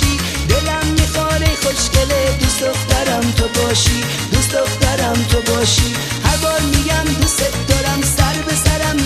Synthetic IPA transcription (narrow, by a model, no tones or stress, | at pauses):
i | d̪elamːixɔːɾejxoʃkeled̪ust̪oxt̪aɾamt̪ʰobɔːʃi | d̪ust̪ɔxt̪aɾamt̪ʰobɔːʃi | haɾbɔɾmiɡamd̪uset̪d̪ɔɾamsaɾbesaɾam